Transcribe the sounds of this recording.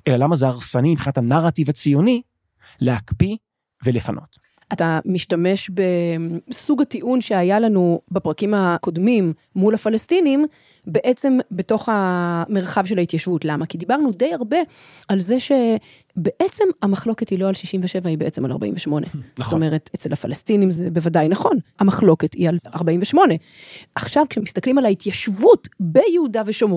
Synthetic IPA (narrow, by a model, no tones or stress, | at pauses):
elalamazeaʁsanimibχinatanaʁativat͡sijoni | leakpi | velefanʔo̞̰t | atamiʃtame̞ʃbe̞suɡatiʔunʃeajalanubepʁakimako̞dmimː | ulafalestinim | be̞ʔe̞t͡se̞mbe̞to̞χameʁχavʃelaitjaʃvutlamakid̪ibaʁnude̞jaʁbe̞ | alze̞ʃe̞ | be̞ʔet͡se̞mamaχlo̞ketilo̞alʃiʃimveʃe̞vaibeʔet͡se̞mala̰ʁba̰ʔḭmɱveʃmo̞nezotome̞ʁetet͡selhafalestinimzebevadajnaχo̞namaχlo̞ke̞tialaʁbaimveʃmo̞ne̞ | ʔaχʃavkʃemist̪aklimalaitjaʃvutbejehudaveʃom